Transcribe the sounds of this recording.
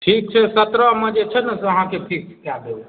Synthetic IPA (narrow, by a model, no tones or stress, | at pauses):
ʈʰik̚t͡ʃʰɛsət̪ɾəmẽd͡ʒet͡ʃʰɛnəsəɦãkeʈʰik̚t͡ʃʰɛ̥kjad̪el